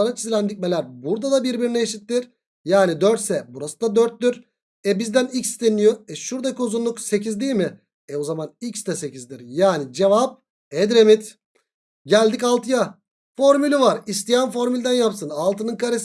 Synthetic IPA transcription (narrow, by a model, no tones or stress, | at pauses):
aɾat͡ʃʰizilʲænd̪ic̚ʲme̞lʲæɾbuɾd̪ad̪abiɾbiɾinɛeːʃit̪ːiɾ | jaːnid̪øɾt̪sɛbuɾasɯnd̪ad̪øɾt̪̚d̪yɾ | ɛbizd̪ænicst̪enijoɛʃuɾd̪akʰiuzunlˠukse̞cʰizd̪ijlʲmɪ | ɛozamanicst̪ɛse̞cizd̪iɾjaːnid͡ʒevap̚ | ɛd̪ɾemit̪ | ɟælʲd̪icalˠt̪ʰɯja | fo̞ɾmylʲivaɾist̪ijænfo̞ɾmylʲd̪ænjapsɯnalˠt̪ɯnɯnkʰaɾes